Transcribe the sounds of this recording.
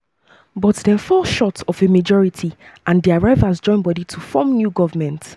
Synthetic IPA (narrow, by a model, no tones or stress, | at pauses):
bɔtdɛ̃nfɔlʃɔtɔvemad͡ʒɔɹitʰiʔãndiaɹaɪvazd͡ʒɔ̃ɪ̃nbwɔditʰufɔmnjuɡɔvəmɛ̃nt